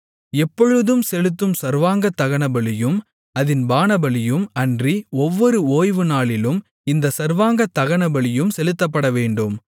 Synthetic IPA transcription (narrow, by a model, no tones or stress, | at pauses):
ɛpːɔɻɯðɯmsɛlɯt̪ːɯmsɐɾʋaːŋɡɐt̪ːɐɣɐɳɐbɐɭɪjɯm | ɐðɪnbaːnɐbɐɭɪjɯmɐndriɔʋːɔɾɯoːjʋɯnaːɭɪlɯm | ɪnd̪ɐsɐɾʋaːŋɡɐt̪ːɐɣɐɳɐbɐɭɪjɯmsɛlɯt̪ːɐp̬ːɐɽɐʋeːɳɖɯm